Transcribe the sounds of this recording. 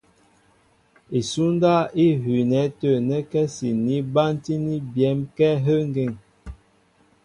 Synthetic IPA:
i˨su˦nda˦i˦ɦi˨nɛ˨˦tə˦˨nɛ˦kɛ˦si˨ni˦ba˦n˦ti˦ni˦bjɛ˨˦mkɛ˦ɦə˦ŋɡe˨ŋ

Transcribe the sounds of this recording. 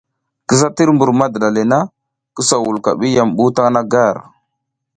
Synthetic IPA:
kə˦za˦ti˦ɾmbu˨ɾma˦də˨ɗa˨le˨na˦ | kə˦sa˨wu˨lka̰˨ɓi˦ja˨mɓu˦ta˦ŋ˦na˦ɡa˦˨ɾ

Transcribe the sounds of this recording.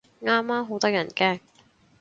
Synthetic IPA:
ŋaː˥mːaː˥mɦo˨˥wt̪ɐ˥k̚jɐ˨˩nkɛː˥ŋ

